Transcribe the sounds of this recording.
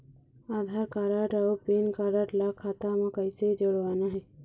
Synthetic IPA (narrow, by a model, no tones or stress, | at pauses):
aːd̪ʱaːɾkaɾaʈawpenkaɾaʈlakʰːaːt̪amẽkəɪsed͡ʒəɽʋaːnaɦɛː